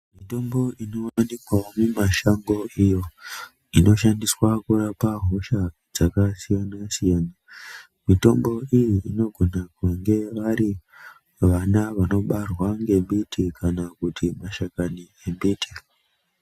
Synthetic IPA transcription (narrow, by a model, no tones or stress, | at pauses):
mito̞mbo̞ino̞ːanekwaomumaʃaŋɡo̞ijo̞ | ino̞ʃandiswakurapaɦo̞ʃa | d͡zakasijanasijana | mito̞mbo̞ijiʔino̞ɡʱo̞nakaŋɡe̞ʋaɾi | ʋanaʋano̞ɓarwaŋɡe̞mbitikʰanakutimaʃakani | embiːtʰi̥